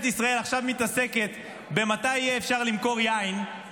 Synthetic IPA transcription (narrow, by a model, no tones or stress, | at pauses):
t̪isʁae̞laχʃavmit̪ase̞ke̞t̪ | be̞mat̪ajijeːfʃaʁlimko̞ʁjain